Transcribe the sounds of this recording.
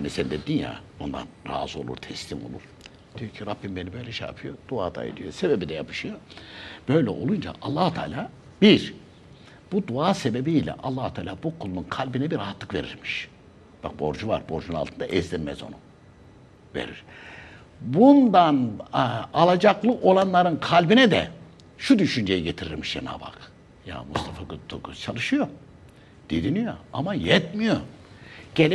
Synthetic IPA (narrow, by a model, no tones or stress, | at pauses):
hanisɛnd̪ed̪inja̰ond̪a̰nɾa̰ːzɯo̞lˠṵɾt̪ʰɛslʲimo̞̰lˠṵɾ̥ | d̥̪ijocʰiɾabːimbe̞nibø̞jlʲɛʃeja̰pʰɯjo̞d̪ua̰ːd̪a̰ḛd̪ijo̞se̞bebid̪ɛjapʰɯ̥ʃɯjob̥ø̞jlʲɛʔo̞̰lˠund͡ʒa̰ʔalˠːaːhut̪ʰa̰ːlʲaː | biɾ | b̥ud̪uaːse̞be̞biːlʲɛ̰ʔalˠːaːhut̪ʰaːlʲaːbukʰulˠununkʰalʲbinɛbiɾaɦat̪lˠɯkve̞ɾiɾmiʃ | b̥ak̚bo̞̰ɾd͡ʒuva̰ɾbo̞ɾd͡ʒunnalˠt̪ʰɯnd̪aʔɛzd̪ʲiɾmɛ̰zo̞̰nu | ve̞̰ɾḭɾ̥ | bund̪an | alˠad͡ʒaklˠɯʔo̞lˠanlˠaɾɯnkʰalʲbinɛd̪ɛ̰ | ʃud̪yʃynd͡ʒejiɟet̪ʰiɾiɾmiʃd͡ʒḛna̰ːba̰k | ja̰must̪ʰafakt̪ʰokt͡ʃʰalˠɯʃɯjo | d̪̥ed̪inyjo̰a̰majɛt̪mijo | ɟ̥elʲ